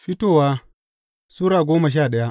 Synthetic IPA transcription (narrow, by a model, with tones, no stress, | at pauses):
ɸɪ˦toː˨waː˦ | suː˦ɾaː˨ɡʷoː˦ma˨ʃ̬aː˦˨ɗɐ˦ja˦ʔ